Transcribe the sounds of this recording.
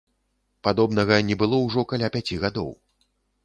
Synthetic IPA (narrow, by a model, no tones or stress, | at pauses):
pad̪ɔbnɐɣɐnʲɛbɨlˠɔwʐɔkalʲapʲat͡sʲiɣad̪ɔ̰w